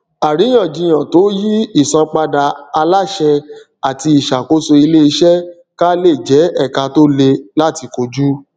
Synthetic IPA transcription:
a˨ɾi˨˦j̃ã˦˨d͡ʒĩ˧j̃ã˨to˨˦ji˦i˦˨sã˧k͡pa˧da˧a˧la˦ʃɛ˧ | a˨ti˧i˨ʃa˨ko˦so˧i˧le˦i˧ʃɛ˦ | ka˦le˦˨d͡ʒɛ˨˦ɛ˦˨ka˧to˦le˧la˦ti˧ko˧d͡ʒu˦

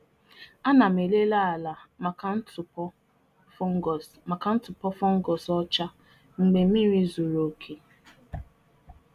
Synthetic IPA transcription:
a˦na˨m̩˨e˨le˦la˦a˨la˨ma˨ka˦n̩˦tʊ˨pɔ˦ | fŋ˦˨ | ma˨ka˦n̩˦tʊ˨pɔ˦fɔ˦ŋ̩˦ɡɔ˨sɔ˦t͡ʃa˦ | ŋ͡m̩˨ɡ͡be˨˦mi˦ɾi˦zo˨ɾo˨kʰe˨

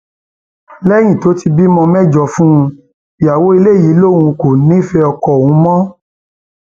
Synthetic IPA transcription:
lɛ˦j̃ĩ˦˨to˨˦ti˧bi˦mɔ̃˧mɛ̃˦d͡ʒɔ˧fũ˦˧ | ja˨wo˦i˧le˦˨ji˨˦lo˦˨wũ˧ko˨nĩ˦fɛ˧ɔ˧kɔ˨wũ˨˦mɔ̃˦

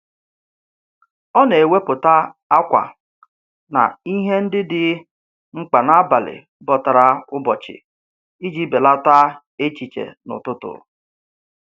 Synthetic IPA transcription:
ɔ˦ne˨we˦pʊ˨ta˦a˦kʷa̰˨ | na̰˨i˦ɦe˦n̩˦dɪ˦dɪ˨ | ŋ͡m̩˦k͡pa˨na˦ba˨lɪ̰˨ | bɔ˨ta˨ɾa˦ʊ˦bɔ˨t͡ʃɪ̰˨ | i˦d͡ʒi˦be˨la˦ta˦ | e˦t͡ʃi˨t͡ʃḛ˨nʊ̰˨tʊ˦tʊ̰˨

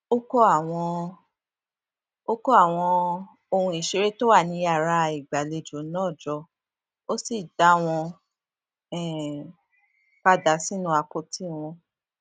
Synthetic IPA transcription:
o˦kɔ˦a˦˨w̃ɔ̃˧ | o˦kɔ˦a˦˨w̃ɔ̃˧ | o˧hũ˧i˨ʃe˨˧ɾe˦to˦wa˦˨nĩ˧˦ja˦˨ɾa˧i˨ɡ͡ba˨le˧˨d͡ʒo˨˦nɔ̃ː˦˨d͡ʒɔ˧ | o˦si˦˨da˦w̃ɔ̃˧ | ɛ˦˨ | k͡pa˦da˨˦si˦nũ˧˦a˧ko˧tʰi˦˨w̃ɔ̃˧

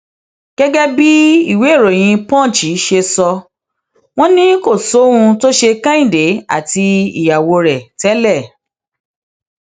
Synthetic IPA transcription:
ɡ̥ɛ˦ɡɛ˦bi˦i˦˨we˨˦˨ɾo˨j̃ĩ˧pɔ̃˦˨t͡ʃi˨˦ʃe˧sɔ˧ | w̃ɔ̃˦nĩ˦ko˦˨so˨˦hũ˧to˦ʃe˧kã˦ĩ˦˨de˨˦a̰˦˨ti˧ḭ˨ja˨wo˧ɾɛ˨tɛ˦lɛ˦˨

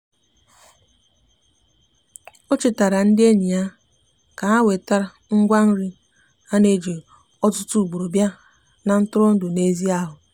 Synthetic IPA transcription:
o˦t͡ʃɪ˨ta˨ɾa˨n̩˦dɪ˦e˦ɲi˨a˦ | ka˨a˦we˨ta˦ɾŋ̩˦ɡʷa˦n̩˦ɾi˦ | a˦ne˦d͡ʒe˨ | ɔ˦tʊ˦tu˦u˨ɡ͡bo˨ɾo˨bja˦ | na˨n̩˦tʊ˦ɾɔ˦n̩˦dʊ˨ne˦zi˦a˦ɦʊ˨

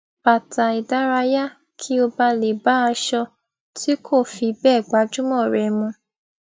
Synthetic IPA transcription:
pa˨ta˨i˨da˨˦ɾa˧ja˦ | kʰi˦o˧ba˧le˨ba˨˦a˧ʃɔ˧ | tʰi˦kʰo˦˨fi˨˧bɛː˦˨ɡ͡ba˨˦d͡ʒũ˦mɔ̃˦˨ɾɛ˨mũ˧

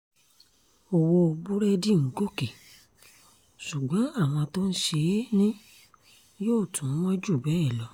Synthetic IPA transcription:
o˨wo˧o˧bu˦ɾɛ˦di˦˨ŋ̩˨˦ɡo˦˨ke˨ | ʃu˨ɡ͡bɔ̃˨˦a˦˨w̃ɔ̃˧to˦n̩˦ʃe˧˦nĩ˦ | joː˦˨tũ˨˦wɔ̃˦d͡ʒu˦˨bɛ˨˦ɛ˦˨lɔ˨˦

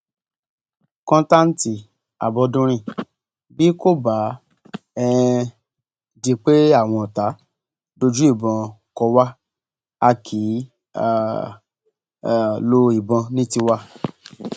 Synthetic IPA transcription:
kɔ̃˦ta˦n̩˦ti˧ | a̰˨bɔ˧dũ˦ɾ̃ĩ˧˨ | bi˦ko˦˨ba˨˦ | ɛ̃˧ | di˧k͡pe˦a˦˨w̃ɔ̃˧˨ɔ˨ta˨˦ | do˧d͡ʒu˦i˦˨bɔ̃˧ | kɔ˧wa˦ | a˧kʰi˨˦˨ | lo˧i˨bɔ̃˧nĩ˦ti˧wa˦

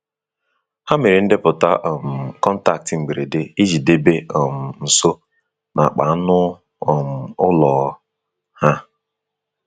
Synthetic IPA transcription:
ha˦me˨ɾi˨n̩˦dɪ˦pʊ˨ta˦ʔɔ˨m̩˨kɔ˦n̩˦ta˨k̚tɪ˨ŋ͡m̩˨ɡ͡be˨ɾe˨de˦i˦d͡ʒi˨de˦be˦ɔ˨m̩˨n̩˨so˦ | nʔa˨a˨k͡pa̰˨˦nʊ˦ | ɔ˨m̩˨ʊ˦lɔ˨˦ | ha˦

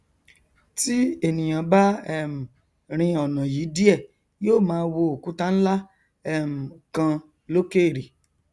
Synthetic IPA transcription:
ti˦e˦˨nĩ˨j̃ã˨ba˦ɛ˦˨m̩˨ | ɾ̃ĩ˧ɔ˨nã˨ji˨˦di˦ɛ˦˨ | joː˦˨mãː˦˧wo˧o˨ku˨˦ta˦n̩˦la˦ | ɛ˦m̩˨kã˧ | lo˦ke˦˨ɾi˨

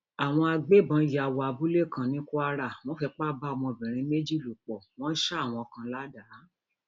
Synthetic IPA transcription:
a˨w̃ɔ̃˧a˧ɡ͡be˦˨bã˧˦˨ja˨wa˨bu˦le˦˨kã˧˨nĩ˦ku˦a˧ɾa˦˨w̃ɔ̃˦fɛ˧k͡pa˦˨ba˦ɔ˧˨mɔ̃˧˨bĩ˨ɾ̃ĩ˧˦me˦d͡ʒi˦˨lu˨k͡pɔ˨w̃ɔ̃˦ʃa˦a˦˨w̃ɔ̃˧ɔ˧kã˧la˦da˨˦

